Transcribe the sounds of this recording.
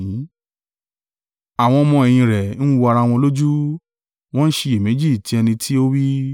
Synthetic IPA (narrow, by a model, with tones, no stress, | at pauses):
a˨w̃ɔ̃˧mɔ̃˧ɛ˧˨j̃ĩ˧ɾɛ˨ñ̩˦wo˧a˧ɾa˧w̃ɔ̃˧lo˦d͡ʒu˦ | w̃ɔ̃˦n̩˦ʃe˧je˨me˨˦d͡ʒi˦˨ti˧˦ɛ˧nĩ˧tʰi˦o˦wi˦